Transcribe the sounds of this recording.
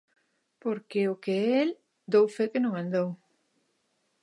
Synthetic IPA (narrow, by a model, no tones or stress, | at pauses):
poɾkeʊkeel | d̪owfekɪnõŋãnd̪ow